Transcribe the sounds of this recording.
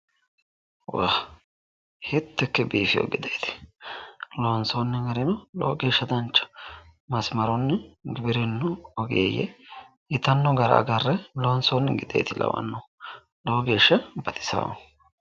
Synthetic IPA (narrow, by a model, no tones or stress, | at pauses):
wah | hɪt̪ːɛkːɛbiːfɪjo̰ɡɪd̪ejt̪ɪ̥ | lonsonːɛmɛɾɪnɔlo̰ːɡeːʃːɐd̪ɐnt͡ʃːɐ̥mɐsmɐɾɔnːɛɡɪbɪɾɪnːʊɔɡḛːjɛ̰ | ɪt̪ɐnːɔɡɐɾɐ̰ɡɐrːɛloːnsonːɛɡɪd̪ḛjt̪ɪlɐ̰wɐ̰nːo | loːɡeːʃːɐbɐt̪ʼɪ̥sa̰w̰